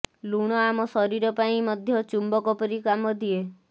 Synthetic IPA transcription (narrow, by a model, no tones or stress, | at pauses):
luɽ̃ɔamɔsɔɾiɾɔpaĩmɔd̪ʱjɔt͡ʃumbɔkɔpɔɾikamɔd̪ʱie